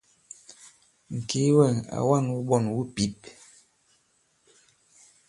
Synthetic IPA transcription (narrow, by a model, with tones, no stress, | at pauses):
ŋ̩˨ki˨˦wɛ˦˨na̰˨wa˦˨nwu˦ɓɔ˦˨nwu˦pi˨˦p̚